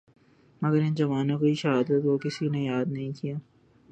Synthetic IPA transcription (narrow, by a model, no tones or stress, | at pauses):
mɐɡəɾɪ̃nd͡ʒɐʋaːnõkoiʃɐɦaːd̪ət̪̚kokɪsinejaːd̪nɐɦĩkijaː